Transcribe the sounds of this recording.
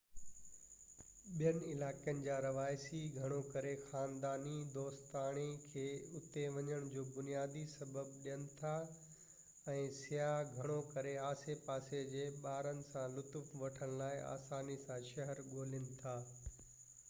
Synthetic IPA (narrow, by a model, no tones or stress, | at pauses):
ɓijənɪɪlaːkijənɪ̆d͡ʑaːɾɐʋaːɪsiɡʱɐɽ̃okɐɾexaːnd̪aːnid̪oːst̪aːɽ̃ekʰeːʊt̪eʋɐɲəɽ̃d͡ʑoːbʊnijaːd̪isɐbəbɗijənɪ̆t̪ʰa | ɛ̃ːsɪjaːɡʱɐɽ̃okɐɾeaːsepaːsed͡ʑeːɓaːɾənɪ̆sãlʊt̪ʊfʋɐʈʰəɽ̃laːɪa̰ːsaːnisãʃɐɦəɾɡoːlɪnɪ̆t̪ʰaː